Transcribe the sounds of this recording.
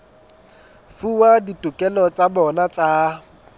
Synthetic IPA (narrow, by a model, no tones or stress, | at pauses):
fuwaditʼukʼɛlɔt͡sʼabɔnat͡sʼa